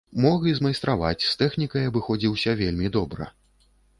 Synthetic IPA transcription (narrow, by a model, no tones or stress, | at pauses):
mɔɣʲɨzmajst̪ɾava̰t͡sʲst̪ɛxnʲikɐjɐbɨxɔd͡zʲiwsʲɐvʲelʲmʲid̪ɔbɾɐ̰